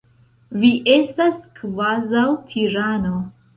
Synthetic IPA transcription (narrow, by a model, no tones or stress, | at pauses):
viʔestaskvazawtʰiɾano̞